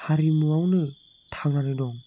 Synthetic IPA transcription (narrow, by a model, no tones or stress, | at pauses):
haɾimɯawnɯ | tʰaŋanɯdɔŋ